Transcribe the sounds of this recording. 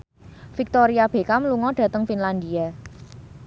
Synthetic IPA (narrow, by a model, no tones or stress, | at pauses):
fik̚t̪ɔɾiab̥e̤kamluŋɔɖ̥ä̤t̪əŋfinland̪ia